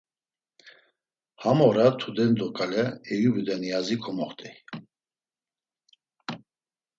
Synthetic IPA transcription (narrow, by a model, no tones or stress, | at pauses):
hamɔɾat̪ʰud̪ɛnd̪ɔkʼalɛɛjubud̪ɛnijazikʰɔmɔχt̪ʼɛ